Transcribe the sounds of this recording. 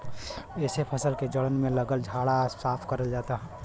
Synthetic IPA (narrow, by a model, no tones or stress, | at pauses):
ɛːsepʰɐsəlked͡ʒəɽənmẽləɡəld͡ʒʱaːɽasaːpʰkɐɾəld͡ʒaːt̪aɦɛ